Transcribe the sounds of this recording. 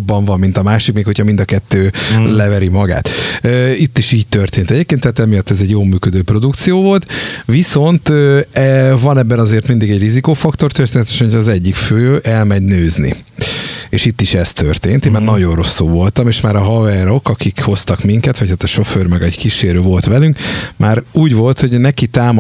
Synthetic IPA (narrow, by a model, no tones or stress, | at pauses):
bːɒɱvɒmːint̪ɒmaːʃikmeːkho̞cʰɒmind̪ɒkɛt̪ːøːlɛvɛɾimɒɡa̰ːt̪øːit̪ːiʃiːɟ̚t̪ørt̪eːnt̪ɛɟeːp̚keːnt̪ːæːt̪ɛmijɒt̪ːɛzɛɟjoːlmyːkød̪øːpro̞d̪ukt̪sijoːvo̞lt̪viso̞nt̪øɛvɒnɛbːɛnɒzeːrt̪mind̪iɡɛɟrizikoːfɒkt̪o̞rt̪ørt̪eːnɛt̪eʃɒcʰːzɛɟːikføːʔɛlmɛɟnøːznḭ | eːʃit̪ːiʃɛst̪ørt̪eːnt̪eːmaːrnɒɟo̞nro̞sːulvo̞lt̪ɒmeːʃmaːɾɒɦɒvɛɾo̞kɒkikho̞st̪ɒkmiŋkɛt̪ʋɒchaːt̪ɒʃo̞føːrmɛɡɒɟkiʃeːɾøːvo̞lt̪ʋɛlyŋkmʔaːɾuːɟvo̞lt̪ho̞ɟnɛkit̪aːm